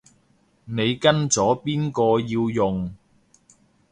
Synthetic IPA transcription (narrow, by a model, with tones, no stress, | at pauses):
ne˨˧jkɐ˥nt͡sɔː˨˥piː˥nkɔː˧jiː˧wjʊ˨˩ŋ